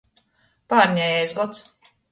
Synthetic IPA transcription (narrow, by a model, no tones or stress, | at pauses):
paːɾɲʲajɛzɡɔt̪s